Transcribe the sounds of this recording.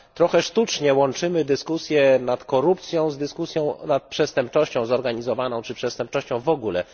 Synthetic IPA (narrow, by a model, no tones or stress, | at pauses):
t̪ɾɔxɛʂt̪ut͡ʂɲɛwɔnt͡ʂɘmɘd̪ɘskusʲjɛnat̪kɔɾup̚t̪sʲjɔ̃w̃zd̪ɘskusʲjɔ̃w̃nat̪̚pʂɛst̪ɛmp̚t͡ʂɔɕt͡ɕɔ̃w̃zɔɾɡaɲizɔvanɔ̃w̃t͡ʂɘpʂɛst̪ɛmp̚t͡ʂɔɕt͡ɕɔ̃w̃vɔɡulɛ̰